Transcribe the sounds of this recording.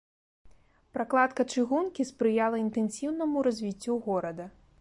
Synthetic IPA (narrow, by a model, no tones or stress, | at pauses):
pɾaklˠat̪kɐt͡ʂɨɣunkʲispɾɨjalˠɐint̪ɛnsʲiwnɐmuɾazʲvʲit͡sʲːuɣɔɾɐd̪ɐ